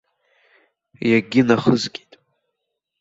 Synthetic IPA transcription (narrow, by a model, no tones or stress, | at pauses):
jaɡʲɪnaχəzɡʲitʼ